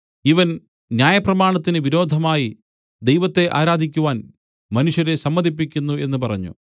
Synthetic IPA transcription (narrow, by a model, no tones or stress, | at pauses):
iʋɐn | njaːjɐprɐmaːɳɐt̪ːinɨʋiɾo̞ːd̪ʱɐmaːji | d̪ejʋɐt̪ːe̞ʔa̰ːɾaːd̪ʱikʲːuʋaːn | mɐnuʂjɐɾe̞sɐmːɐd̪ʱip̬ːikʲːunːue̞nːupɐrɐɲːṵ